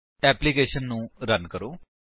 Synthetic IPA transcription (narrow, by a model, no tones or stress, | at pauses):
ɛːplikeːʃənːũːɾənkəɾoː